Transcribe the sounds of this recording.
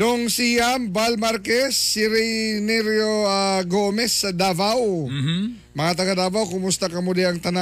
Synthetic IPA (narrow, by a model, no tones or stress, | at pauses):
d̪oŋsijɐmbalmaɾkɛsːiɾɛjnɛɾjoaɡomɛsɐd̪avaw | mɐŋat̪̬ɐɡad̪aːbawkʊmʊst̪ɐkɐmod̪ɪɐŋt̪ɐna